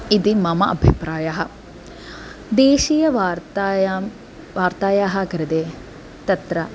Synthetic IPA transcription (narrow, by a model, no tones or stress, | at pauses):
id̪imɐmɐʔɐbʱḭpɾaːjaːɦɐ | d̪eːʃiːjɐʋaːɾt̪aj | ʋaːɾt̪aːjaːɦɐkɾɪd̪eː | t̪ɐt̪ɾɐ